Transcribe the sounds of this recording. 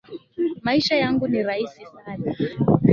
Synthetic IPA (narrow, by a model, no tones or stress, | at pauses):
maiʃajaŋɡuniɾaisisana